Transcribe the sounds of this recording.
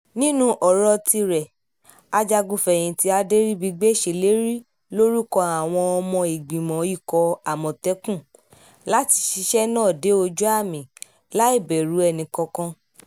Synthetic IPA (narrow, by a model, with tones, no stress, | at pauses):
nĩ˦nũ˦ʔɔ˨ɾɔ˧ti˧ɾɛ˨ | a˧d͡ʒa˧ɡu˧fɛ̃˨ĩ˨ti˦a˧de˦ɾi˦bi˧ɡ͡be˦˨ʃe˨le˦ɾi˦ | lo˦ɾi˦kɔ˧a˨w̃ɔ̃˧ɔ˧mɔ̃˧i˨ɡ͡bĩ˨mɔ̃˨i˦˨kɔ˧a˨mɔ̃˨tɛ˨˦kũ˦˨ | la˦ti̥˧ʃi˨˧˦ʃɛ˦nãː˦˨de˨˦o˧d͡ʒu˦a˦˨mĩ˨ | la˦i˦˨bɛ˨ɾu˨˦ɛ˧nĩ˨kɔ̃˧kã˧